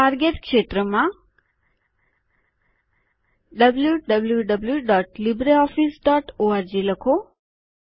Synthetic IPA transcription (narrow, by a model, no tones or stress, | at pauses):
aɾɡeʈkʃet̪ɾəmã | ɖəbljuɖəbljuɖəbljuɖɔʈlibɾeɔfisɖɔʈoaɾd͡ʒiləkʰo